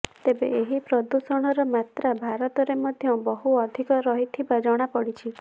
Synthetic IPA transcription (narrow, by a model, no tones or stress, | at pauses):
t̪ebeeɦipɾɔd̪usɔɽ̃ɔɾɔmat̪ɾabʱaɾɔt̪ɔɾemɔd̪ʱjɔbɔɦuɔd̪ʱikɔɾɔɦit̪ʰibad͡ʒɔɽ̃apɔɽit͡ʃʰi